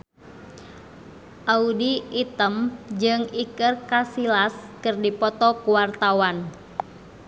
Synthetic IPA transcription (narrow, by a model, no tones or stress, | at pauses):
ʔaudiit̪əmd͡ʒɨŋikərkasilaskɨrdipɔt̪ɔkuwart̪awan